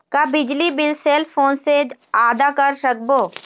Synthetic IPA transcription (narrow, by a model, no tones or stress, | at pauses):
kabɪd͡ʒlibɪlseːlpʰoːnseaːd̪akɐɾʃɐk̚boː